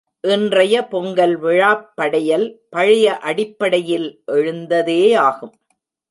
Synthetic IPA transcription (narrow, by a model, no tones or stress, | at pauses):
ʔɪndrɐjɐpɔŋɡɐlʋɪɻaːpːɐɽɐjɐlpɐɻɪjɐʔɐɽɪpːɐɽɐjɪlʔɛɻɯnd̪ɐðeːaːɣɯm